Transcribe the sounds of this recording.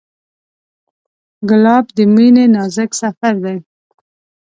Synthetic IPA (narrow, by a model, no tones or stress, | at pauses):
ɡʊlɑbd̪əminenɑzɪksafaɾd̪aj